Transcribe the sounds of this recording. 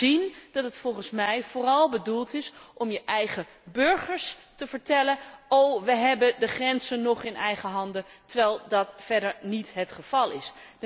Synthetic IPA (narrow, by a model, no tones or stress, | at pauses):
ind̥ɑtɦətfɔlˠχənsmɛjvʊːrɑlˠbədulˠtɪsʔɔmjəʔɛjχə | bɵɹχəɹstəvəɹtɛlənowʋəɦɛbədəχrɛnzənɔχɪnʔɛjχəɦɑndətəɹʋɛjlˠdɑtfɛɹdəɹnitɦətχəv̥ɑlˠɪ̰s